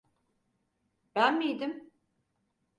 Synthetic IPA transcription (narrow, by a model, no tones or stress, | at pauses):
b̥ænmijd̪ɪm